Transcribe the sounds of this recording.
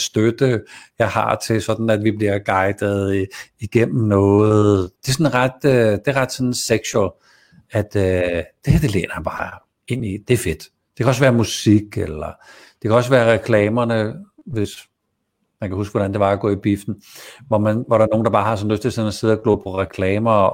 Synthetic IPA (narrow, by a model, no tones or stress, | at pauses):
sd̥ød̥əjɑ̈ɪhɑ̈t͡sʰe̝lsɒ̽d̥n̩æd̥ʋib̥liɐ̰ɡ̥ɑ̈ɪd̥ð̩ˠiɡ̥en̰m̩nɔːðð̩ˠd̥e̝æsɔ̽nʁɑd̥d̥e̝æʁɑ̈d̥sɒ̽nseɡ̥ɕuɛl | æd̥d̥ehd̥e̝lḛːnɐb̥ɑ̈ː | e̝n̰id̥e̝æɐfe̝d̥ | d̥e̝kʰæɒ̽sʋæːɐmusiɡ̥elɐ | d̥e̝kʰæɒ̽sʋæːɐʁɛkʰlɛːmɐnə | ʋe̝s | mænkʰæɦus̬ɡ̥ʋɒɾ̥ænd̥e̝ʋɑ̈æɡ̥ɔ̰ːib̥ifd̥n̩ | ʋɒmænʋɒɾɑɐno̝ːn̩d̥ɑb̥ɑ̈ːhɑ̈sɒ̽nløsd̥t͡sʰelsenɒse̝ð̞ˠɐɡ̥lɔ̰ːpʰɒ̽ʁɛkʰlɛːmɐ